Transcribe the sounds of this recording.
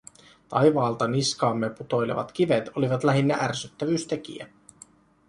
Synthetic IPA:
t̪ɑjʋɑːlt̪ɑniskɑːmːeput̪o̞jlḛʋɑ̰t̪k̟iʋet̪o̞liʋɑt̪læɦinːæʔærsyt̪ːæʋyːst̪ek̟ḭæ

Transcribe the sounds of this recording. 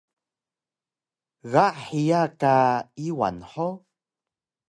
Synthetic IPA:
ɣaʔħijakaiwa̰nħo

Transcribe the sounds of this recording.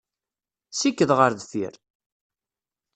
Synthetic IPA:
sikːəðʁəɾðθḭɾ

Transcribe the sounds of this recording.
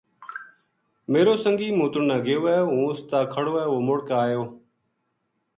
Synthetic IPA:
meːɾoːsəŋɡiːmũːt̪ʊɳnaːɡʱɪjoːɛːɦũːʊst̪aːkʰəɽoːɛːʋoːmʊɽkaːjoː

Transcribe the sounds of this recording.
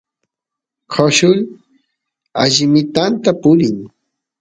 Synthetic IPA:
kʰaʃʊl | aʎɪmɪt̪ant̪apʊɾɪŋ

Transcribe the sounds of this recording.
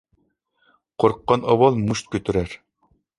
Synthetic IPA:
qʰoɾqːɑnɑwɑlˠmuʃt̪̚kʲøt̪yɾæɾ

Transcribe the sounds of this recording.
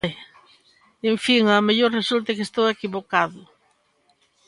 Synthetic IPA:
eɱfiŋameʎoɾresult̪ekest̪owekiβokaðʊ

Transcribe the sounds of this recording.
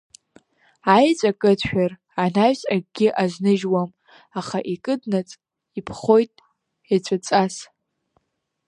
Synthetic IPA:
ajt͡sʷʼakʼɨtʰʃᶣar | anaɥsʼaɡ̚ɡʲɪʔaznɨʒwam | aχaʔikʼɨdnat͡sʼ | ipʰχo̞jtʼ | at͡ɕʷʰʼat͡sʼas

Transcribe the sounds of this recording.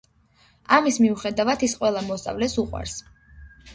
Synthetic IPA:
amismiuχɛd̪avat̪isqʼwɛlˠamɔst̪ʼa̰vlɛsuqʼwa̰ɾs

